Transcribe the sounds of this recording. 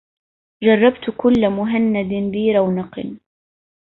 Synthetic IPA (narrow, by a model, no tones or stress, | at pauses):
d͡ʒɑrˤːɑbt̪kʊlːamʊɦanːad̪biːɾˤɑwnɑq